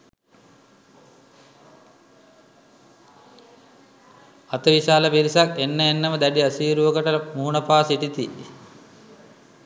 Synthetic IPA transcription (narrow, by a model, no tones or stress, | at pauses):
at̪əʋiʃaːləʋiɾisakenːəenːəməd̪æɖiɐsiːɾuʋəɡəʈəmuːnəpaːsiʈit̪ḭ